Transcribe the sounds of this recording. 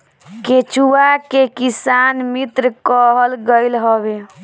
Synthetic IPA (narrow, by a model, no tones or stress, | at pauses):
ket͡ʃuakekisanmit̪ɾəkəɦəlɡəlɦəbe